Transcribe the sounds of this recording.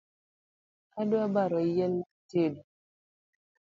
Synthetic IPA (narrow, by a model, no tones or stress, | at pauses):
adoabaɾɔjɛltedo